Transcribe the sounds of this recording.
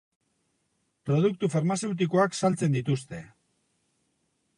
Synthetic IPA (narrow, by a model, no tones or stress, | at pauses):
pɾo̞ð̞uk̚t̪ufaɾmase̞wt̪̬iko̞aksalt͡se̞nd̪it̪ust̪e̞